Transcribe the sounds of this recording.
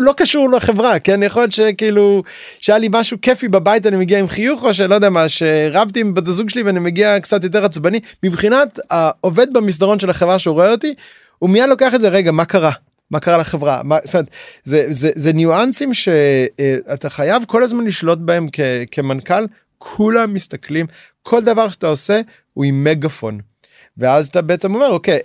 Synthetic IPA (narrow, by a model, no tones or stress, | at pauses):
lo̞kaʃuʁleχevʁakenanijaχo̞ljet̪ʃe̞kiiːlu | ʃeajalimaʃuke̞fibabait̬animeɡiaimχijuχo̞ʃ̬elojd̪eamaʃeʁavt̪imbot̬azuɡʃeliveanimeɡiakt͡sat̬jo̞t̬eʁat͡sbanimibχinataove̞d̪̚bamis̬d̪aʁo̞nʃe̞laχevʁaʃeʁoeot̪i | umijadlo̞ke̞aχetzeʁeɡamakaʁa | makaʁalaχevʁa̰mastomet̪zezezenjuansimʃe̞at̪aχajavko̞lazmanliʃlo̞t̪̬̚bae̞mkekʰe̞mankal | kʰulamːist̪aklim | kʰo̞ld̪avaʁʃeataose̞ | uimːe̞ɡafo̞̰n | veazat̪abeet͡se̞mo̞me̞ʁokej